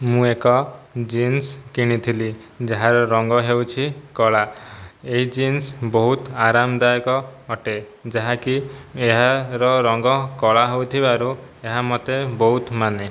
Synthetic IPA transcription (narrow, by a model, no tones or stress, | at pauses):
mũekɔd͡ʒinskiɽ̃it̪ʰili | d͡ʒaɦaɾɔɾɔŋɡɔɦewt͡ʃʰikɔɭaeɦid͡ʒinsbɔɦut̪aɾamd̪ajkɔːʈe | d͡ʒaɦakieɦaɾɔɾɔŋɡɔkɔɭaɦowt̪ʰibaɾueɦamɔt̪ebɔɦut̪mane